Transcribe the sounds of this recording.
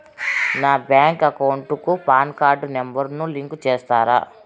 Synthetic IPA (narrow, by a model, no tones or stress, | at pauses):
naːbjaːŋkɐkɐwuɳʈukupaːnkaːɾɖnembɐɾnuliŋkt͡ʃeːst̪aːɾa̰ː